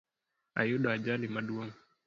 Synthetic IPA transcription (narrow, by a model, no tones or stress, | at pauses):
a̰juɗaːd͡ʒalimaɗuɔŋu